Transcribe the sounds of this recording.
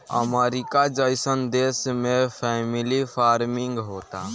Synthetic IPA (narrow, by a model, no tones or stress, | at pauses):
ə̰meːɾikad͡ʒəɪsənd̪eːsmẽpʰɛːmɪlipʰaːɾmɪ̃ŋɡɦoːt̪aː